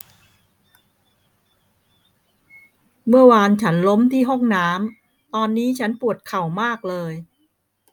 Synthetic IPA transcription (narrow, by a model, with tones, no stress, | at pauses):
mɯ˥˩ɐwaː˧nt͡ɕʰa˦˥nlo˦˥mt̪ʰiː˥˩ɦo˥˩ŋnaː˦˥m | t̪ɔː˧nːiː˦˥t͡ɕʰa˦˥npu˨˩ət̪̚kʰa˨˩wmaː˥˩k̚lɤː˧j